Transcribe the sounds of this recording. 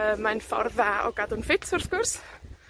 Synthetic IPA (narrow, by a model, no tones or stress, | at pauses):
əmanfɔ̰rðaɔ̰ɡ̥adʊnfɪtʰʊrθkʊrs